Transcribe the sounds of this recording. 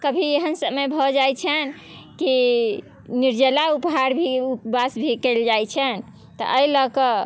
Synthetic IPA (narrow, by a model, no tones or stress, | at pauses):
kəbʱieɦənsəməbʱɔd͡ʒajt͡ʃʰən | ki | niɾd͡ʒəlaupɦaɾbʱiupbasbʱikeɪld͡ʒajt͡ʃʰən | t̪ɔ̰ʔəiləkə